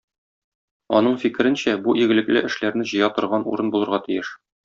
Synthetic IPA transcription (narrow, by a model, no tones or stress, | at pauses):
ɒ̰nɤɴfikɘ̆ɾɘnɕæbuʔiɡɘ̆lɘ̆klɘʔɘ̆ʃlæɾnɘʑɤ̆jɑt̪ŏɾʁɑnṵɾɤnbulˠɤ̆ɾʁɑt̪ɘ̆jɘʃ